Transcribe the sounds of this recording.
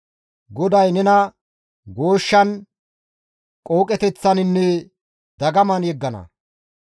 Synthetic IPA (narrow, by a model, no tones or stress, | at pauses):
ɡɔd̪ɐjnɛnɐ | ɡo̞ːʃːɐn | kʼo̞ːkʼɛt̪ɛt͡sːɐnɪnːɛ | d̪ɐɡɐmɐnjɛɡːɐnɐ̰